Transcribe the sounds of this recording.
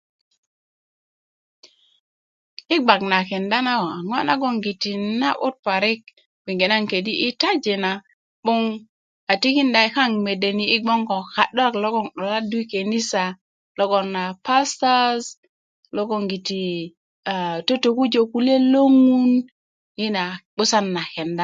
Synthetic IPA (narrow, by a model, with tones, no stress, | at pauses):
i˦ɡ͡ba˨k̚na˨kɛ˨nda˦na˦˨a˨ŋɔ˦na̰˦ɡɔ˦ŋɡi˨ti˨na̰˦ʔʊ˦t̚pa˨ɾi˦k̚ | wi˨ŋɡe˨na˦ŋke˨di˦ʔi˦ta˦d͡ʒe˨na˨ | ɓu˦ŋ | a˨ti˦ki˦nda˨i˦ka˦ŋme˨de˨ni˨i˦ɡ͡bɔ˦ŋɡɔ˨ka˨ɗɔ˦a˨klo˦ɡɔ˦˨ŋɗɔ˨la˦du˦i˦ke˨ni˦sa˨ | lo˦ɡo˨nːa˨pa˦sta˦z | lo˦ɡo˦˨ŋɡi˨ti˨ | a˨to˦to˨ku˦d͡ʒo˨ku˨˦le˦lo˦ŋu˦n | ji˦na˨ɓu˦sa˦nːa˨ke˨nda˦